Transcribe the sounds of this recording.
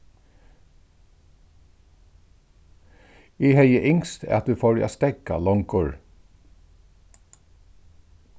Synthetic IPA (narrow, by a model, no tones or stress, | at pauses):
iːheɪjəʔɪŋst̪ɛ̰ːɑt̪̚d̪ʉːfɔːɹa̰st̪ɛɡa̰lɔŋkʊɹ